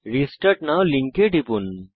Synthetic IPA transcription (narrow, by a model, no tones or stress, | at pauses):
ɾisʈəɾʈnawliŋkeʈipun